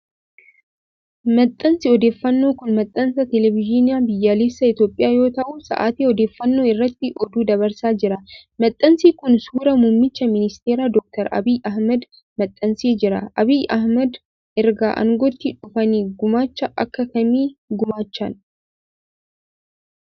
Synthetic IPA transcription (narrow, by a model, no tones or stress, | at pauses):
mɐt̪ʼːɐnsɪɔd̪eːfːɐnːoːkʊnmɐt̪ʼːɐnsɐt̪ɛlɛvɪd͡ʒɪnɪjaːbɪjːaːleːsːɐɪt̪jo̞ːpʼːɪjaːjo̞ːt̪ɐʔusɐ̰ʔa̰ːt̪iːɔd̪e̞ːfːɐnːo̞ːɪrːɐt̪ːɪʔɔd̪uːd̪ɐβɐɾsaːd͡ʒɪɾɐmɐt̪ʼːɐnsiːkʊnsuːɾɐmʊmːɪt͡ʃːɐmɪnɪst̪eːɾaːd̪ɔk̚t̪ɐɾʔɐ̰biːjʔɐhmɐd̪ | mɐt̪ʼːɐnsiːd͡ʒɪɾɐ̰ʔɐbijʔɐhmɐd̪ | ʔɛɾɡa̰ːʔɐ̰ŋɡɔt̪ːɪᶑʊfɐniːɡʊmaːt͡ʃːɐʔɐkːɐkɐmiːɡʊmaːt͡ʃːɐn